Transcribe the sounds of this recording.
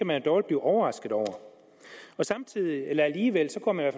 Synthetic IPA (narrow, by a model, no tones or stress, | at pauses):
æmænæd̥ɒːʊld̚b̥liːʔɒʊɐʁɑ̈sɡ̥ð̩ˠɒʊɐ | ɒ̽sɑ̈mt͡sʰið̰ˠielɐæliːʋel̰sɒ̽ɡ̥ʰɒmænʋæɐf